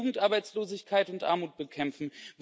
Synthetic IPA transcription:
ɡŋ̩tʔaɐbaɪt͡sloːzɪçkʰaɪtʊntʔa̰ɐmuːt̚b̥əkʰɛmfn̩v

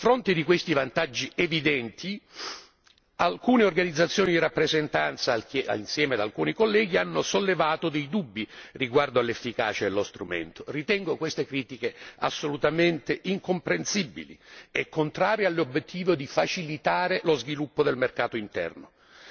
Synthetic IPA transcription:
afɾont̪ed̪ikwest̪ivant̪ad͡ʒːievid̪ɛnt̪ʰi | alkuːneorɡanid̪zːat̪sːjoːnid̪irapːɾezent̪ant̪sakea̰insjɛːmead̪alkuːnikolːɛːɡianːosolːevaːt̪od̪ejd̪ubːiriɡward̪oalːefːika̰ːt͡ʃaelːost̪ɾumḛnt̪orit̪ɛŋɡokwest̪ekɾiːt̪ikea̰sːolut̪ament̪eʔiŋkompɾensibːḭlḭɛkʰːont̪ɾaːɾjialːobːjet̪ʰːiːvod̪ifat͡ʃilit̪aːɾelozvilupːod̪elmerkaːt̪oint̪ɛ̰rno

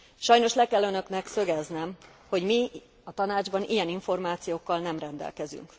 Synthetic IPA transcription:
ʃɒjno̞ʃlɛkɛlːønø̞knɛksø̞ɡɛznɛmho̞ɟmi | ɒt̪ɒnaːd͡ʒbɒnʔijɛniɱfo̞rmaːt̪sijoːkːɒlnɛmrɛnd̪ɛ̰lkɛzy̰ŋk

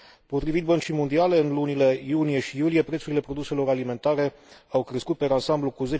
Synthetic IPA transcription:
po̞t̪ɾivit̪̚bənt͡ʃijmo̞nd̪iale̞ɨnlunile̞junije̞ʃijulije̞pɾt̪suɾile̞pɾo̞d̪use̞lo̞ɾalime̞nt̪aɾe̞ | awkɾe̞skut̪̚peɾansamblukuze̞

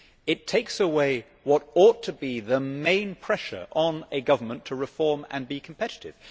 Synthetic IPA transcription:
ɨtʰeɪksəweɪ | wʌɾɔtʰɨbiðəmẽɪ̃npʰɹ̥ɛʃə̰˞ʔə̃nɨɡʌvə˞mə̃ntʰəɹɨfɔɹmə̰̃nbikʰm̩pʰɛɾɨɾɪ̰v̥

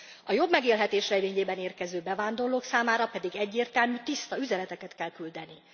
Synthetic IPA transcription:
ɒjo̞bmɛɡeːlɦɛt̪eːʃrɛveːɲeːbɛneːrkɛzøːbɛvaːnd̪o̞rloːksaːmaːɾɒpɛd̪iɡɛɟːeːrt̪ɛlmyːt̪ist̪ɒyzɛnɛt̪ɛkɛt̪kɛlkyld̪ɛni

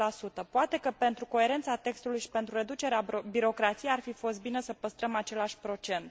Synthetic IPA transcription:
lasut̪əpoat̪e̞kəpe̞nt̪ɾuko̞e̞ɾe̞nt̪sat̪e̞kst̪ulujʃi̥pe̞nt̪ɾuɾe̞d̪ut͡ʃe̞ɾeabiɾo̞kɾat̪sijearfifo̞st̪̚bine̞səpəst̪ɾəmat͡ʃe̞laʃʲpɾo̞t͡ʃe̞nt̪

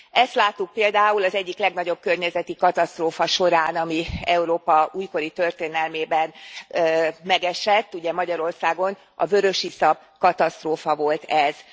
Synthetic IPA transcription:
ɛst̪laːt̪ːuk̚peːld̪aːulɒzɛɟːiklɛɡnɒɟo̞b̚kø̞rɲɛzɛt̪ikɒt̪ɒst̪roːfɒʃo̞ɾaːnɒmiɛuɾoːpɒuːjko̞ɾit̪ø̞rt̪eːnɛlmeːbɛnː | mɛɡɛʃɛt̪ːuɟɛmɒɟɒɾo̞rsaːɡo̞n | ɒ̰vø̞ɾø̞ʃisɒb | kɒt̪ɒst̪roːfɒvo̞lt̪ɛz̥

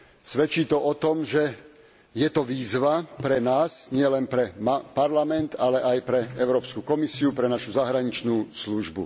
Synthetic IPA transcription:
sʋɛt͡ʃiːt̪ɔʔɔt̪ɔmʒɛ | jɛt̪ɔʋiːzʋapɾɛnaːsɲɪɛlɛnpɾɛmapaɾlamɛnt̪alɛʔajpɾɛɛʊɾɔːpskukɔmisiupɾɛnaʃuzaɦɾaɲit͡ʃnuːsluʒbṵ

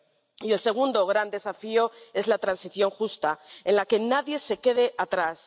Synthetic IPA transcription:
ie̞lse̞ɣ̞und̪oɣɾand̪e̞safio̞e̞zlat̪ɾansiθjo̞ŋxust̪ae̞nlake̞naðje̞se̞ke̞ð̞e̞ʔat̪ɾas

